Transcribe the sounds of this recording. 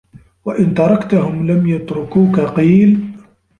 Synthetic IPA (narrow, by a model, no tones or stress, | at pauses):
waʔɪnt̪ɑɾˤɑkt̪ahʊmlamjɑt̪ɾʊkuːkaqiːl